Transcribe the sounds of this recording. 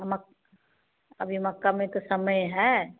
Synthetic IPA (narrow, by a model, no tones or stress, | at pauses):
mək | ə̰bʱiməkːamẽt̪osəməjɦɛ